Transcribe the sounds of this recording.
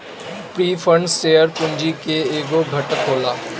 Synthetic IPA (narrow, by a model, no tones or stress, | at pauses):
pɾiːfʰə̃ɳɖsʈeːjəɾpʊ̃ɲd͡ʒikeeːɡoɡʱəʈəkɦoːlaː